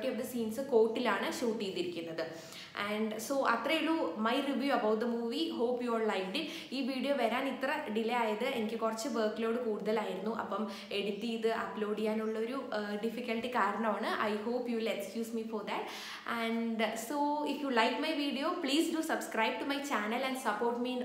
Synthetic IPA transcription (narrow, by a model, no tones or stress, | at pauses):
ʈːeod̪esiːnsɨko̞ːʈːilaːɳɨɕuːʈːijt̪ːiɾikʲːunːɐðɨ | ʔɐɳɖso̞ːʔɐt̪rɐjiɭumɐjriʋjuɐbɐwʈ̪̚d̪ɐmuːʋiho̞ːpːjoːrlɐjʋɖi | iːʋiːɽijoːʋɐɾaːnit̪rɐɖilɐjaːjɐðɨe̞nikʲːɨkurɐt͡ɕːɨʋəːkilo̞ːɽɨkuːɽuðɐlaːjiɾunːuʔɐ̰pːɐm | e̞ɽit̪ːijðɨʔɐplo̞ːɽikʲːaːnuɭːɐo̞ɾuɖifikʲːɐlʈikaːɾɐɳɐmaːɳɨʔɐ̰jhoːpjuːʋilekskjuːsmifoɾd̪ɐʈ | ɐɳɖsoːifjulɐjkmɐjʋiːɖijoːpɭiːsdusɐbskrɐjb̚ʈumɐjt͡ɕaːnɐlɐɳɖsɐpːo̞ːrʈmi